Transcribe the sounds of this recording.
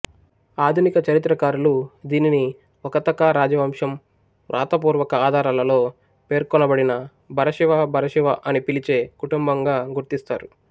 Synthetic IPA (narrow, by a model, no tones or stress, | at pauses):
aːd̪ʱunikɐt͡ʃɐɾit̪ɾɐkaːɾulud̪iːnini | ɔkɐt̪ɐkaːɾaːd͡ʒɐʋɐmʂɐm | ɾʔa̰ːt̪ɐp̬uːɾʋɐkɐaːd̪ʱaːɾaːlɐlo̞ː | pe̞ːɾkɔnɐbɐɽinɐ | bʱɐɾɐʃiʋaːbʱɐɾɐʃiʋaʔɐnipilit͡ʃe̞ːkuʈumbɐŋɡaːɡuɾt̪ist̪a̰ːɾu